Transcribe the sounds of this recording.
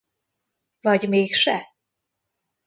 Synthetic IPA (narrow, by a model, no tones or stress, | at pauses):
vɒɟmeːkʃɛ